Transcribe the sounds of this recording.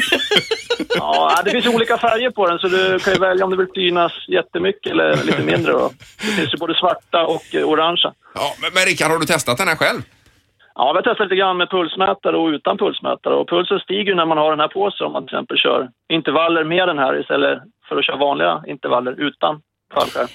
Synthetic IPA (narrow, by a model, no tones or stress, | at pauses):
ɑ̰ːæɪd̪ɛfɪnsjuːliːkafæɾjəɾpʰɔd̪ɛnsɔd̪ɵkʰanjəvɛljaɔmd̪ɛvɪlsyːnasjɛt̪ːəmʏkːəɛlːə̰ɭiːt̪əmɪnd̪ɾə̰d̪ɔ̰d̪ɛfɪnsjɵboːd̪əsvaʈːaɔkʊɾaŋʂa̰ | ɑmɛmɛɾɪkːaɖhaɖɵt̪ʰɛst̪at̪̚d̪ɛnhæɾɧɛlv | ʔɑ̰ːvɪjat̪ʰɛst̪aliːt̪əɡɾanːmɛpʰɵlsmɛːt̪aɾəɔʉ̟ːt̪anpʰɵlsmɛ̰ːt̪aɾə̰ɔpʰɵlsənst̪iːɡəjɵnæɾmanhaɖɛnhæːɾpʰoːsənɔ̰manɪɪsɛ̰mpəlɕœ̰ːɾ | ɪnt̪əɾvalːəɾmeːɖɛnɦæːɾɪ̰st̪ɛlːə̰ | fœɾɔɕœːɾavɑːnlɪɡa̰ɪnt̪əɾvalːəɾʉ̟ːt̪a̰n | fa̰lɧaɾ